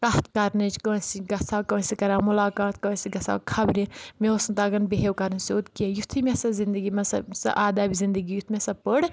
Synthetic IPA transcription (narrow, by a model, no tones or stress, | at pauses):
kɐɦt̪ʰkɐɾnɐt͡ʃkəsiɡɐsakɐsikɐɾaːmulaːkaːt̪̚ʰkɐsiɡɐsa̰ːkʰɐbɾĩmeosnt̪aɡɐnbeɦewkɐɾnseot̪kiejut̪ʰimʲesɐzind̪əɡimɐsɐ̰sɐ̰ʔaːd̪aːbizind̪əɡijut̪ʰmʲesɐpəɽ